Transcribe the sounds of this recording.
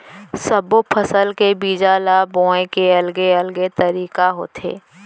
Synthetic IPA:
səbopʰəsəlkebiːd͡ʒaːlabõːẽkeɐlɡeəlɡet̪əɾiːkaɦo̰ːt̪ʰḛː

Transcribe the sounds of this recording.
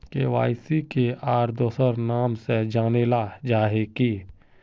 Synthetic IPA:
keʋa̰ːɪsikeaːɾd̪oːsəɾnaːmsed͡ʒaːneːlad͡ʒaːɦekiː

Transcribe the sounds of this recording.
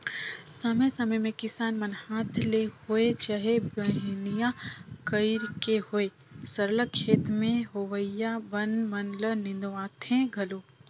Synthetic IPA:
sɐməjsɐməjmẽkɪsaːnmɐnhaːt̪ʰlehoet͡ʃaɦebəɦɪnijakəɪɾkehoe | səɾləkʰːeːt̪mẽɦoʋəjabɐnmɐnlənɪ̃nd̪ʋaːt̪ʰẽɡʱɐloː

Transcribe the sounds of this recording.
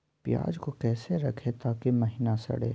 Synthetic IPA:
pja̰ːd͡ʒkokɛːseɾɐkʰet̪aːkemɐɦɪnasɐ̰ɽḛː

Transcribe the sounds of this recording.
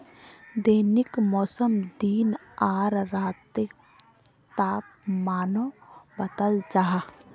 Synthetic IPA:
d̪eːnɪkmɔːsəmd̪iːnaːɾɾaːt̪ɪ | t̪aːpmaːnobət̪əld͡ʒaɦ

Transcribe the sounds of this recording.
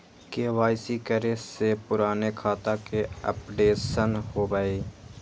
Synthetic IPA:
keːʋaːɪsikəɾesepʊɾaːnekʰaːt̪akeə̰pɖeːsənhoːbəeː

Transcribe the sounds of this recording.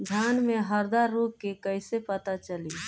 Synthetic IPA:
d̪ʱjaːnmẽɦəɾd̪aɾːoːkkekəɪsepət̪at͡ʃəli

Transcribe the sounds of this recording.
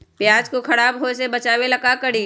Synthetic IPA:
pjaːd͡ʒkoxʰɐɽaːbɦosebɐt͡ʃaːwelɐkakɐɽiː

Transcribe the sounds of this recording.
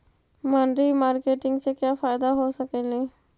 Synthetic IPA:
mənɖɾimaːɾkeːʈɪ̃ŋɡsekjaːfaːɪd̪aɦosəkelẽː

